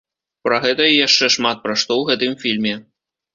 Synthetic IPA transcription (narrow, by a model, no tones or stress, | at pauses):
pɾɐɣɛt̪ɐijaʂt͡ʂɛʂmat̪̚pɾaʂt̪ɔwɣɛt̪ɨmfʲilʲmʲɛ